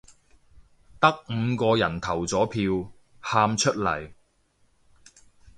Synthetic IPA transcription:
t̪ɐ˥k̚m̩˨˧kɔː˧jɐ˨˩nt̪ʰɐ˨˩wt͡sɔː˨˥pʰiː˧w | haː˧mt͡ʃʰɵ˥t̚lɐ̰˨˩j

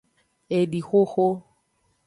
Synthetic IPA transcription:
e˨ɖi˨xo˦xo˦

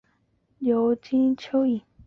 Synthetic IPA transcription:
jo˨˧˦ʊt͡ɕi˥nt͡ɕʰjo˥ʊi˥˩n

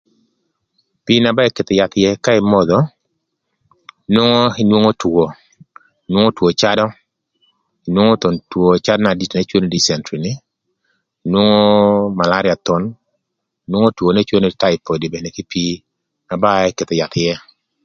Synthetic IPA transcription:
pi˦na˨ba˦ɛ˦ke˨t̪o˨ja˨t̪jɛ˦ka˦ɪ˨mɔ˦d̪ɔ˦ | nwo˦ŋo˦i˨nwo˦ŋo˦two˨ | inwo˦ŋo˦two˨t͡ʃa˦dɔ˦ | i˨nwo˦ŋo˦t̪o˨ntwo˨t͡ʃa˦dna˨di˦˨tne˦t͡ʃwo˦ne˦di˨sɛ˨ntɾi˨nɪ˦ | i˨nwo˦ŋo˦ma˨la˦ɾɪ˦a˨t̪ʊ˦n˨ | nwo˦ŋo˦two˨ne˦t͡ʃwo˦ne˦ta˦ɪ˨po˨di˨be˨ne˨kɪ˦pi˦ | na˨ba˦ɛ˦ke˨t̪ɔ˨ja˨t̪jɛ˦

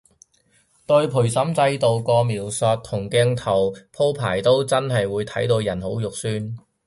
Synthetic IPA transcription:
t̪ɵ˧ɥpʰu˨˩jsɐ˨˥mt͡sɐ˧jt̪o˨˧wkɔː˧miː˨˩wsœː˨˧t̚t̪ʰʊ˨˩ŋkɛ˧ŋt̪ʰɐ˨˩wpʰo˥wpʰaː˨˩jt̪o˥wt͡sɐ˥nɦɐ˨jwuː˨˧jt̪ʰɐ˨˥jt̪o˧wjɐ˨˩nho˨˥wjʊ˨k̚syː˥n

